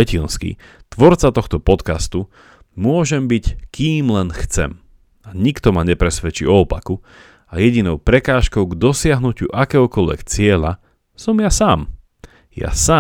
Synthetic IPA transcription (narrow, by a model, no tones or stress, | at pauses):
ɛcinskḭ | t̪ʋɔɾt͡sat̪ɔxt̪ɔpɔt̪kast̪u | mʊɔʒɛmbickiːmlɛnxt͡sɛ̰m | aɲikt̪ɔmaɲɛpɾɛsʋɛt͡ʃḭɔɔpaku | ajɛɟinɔʊpɾɛkaːʃkɔʊɡd̪ɔsɪaɦnucṵʔakɛɦɔkɔlʋɛ̰kt͡sɪɛʎa | sɔmjasaːm | ja̰saː